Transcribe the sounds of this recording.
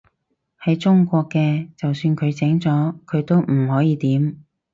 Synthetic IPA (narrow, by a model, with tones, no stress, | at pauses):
hɐ˨˥jt͡ʃʊ˥ŋkʷɔː˧kːɛː˧t͡sɐ˨wsyː˧nkʰɵ˨˧ɥt͡sɛ˨˥ŋt͡sɔː˨˥kʰɵ˨˧ɥt̪o˥wm̩˨˩hɔː˨˥jiː˨˧t̪iː˨˥m